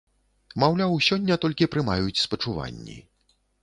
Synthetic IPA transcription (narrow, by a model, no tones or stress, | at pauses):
mawlʲawsʲɔnʲːɐt̪ɔlʲkʲipɾɨmajut͡sʲspɐt͡ʂuva̰nʲːḭ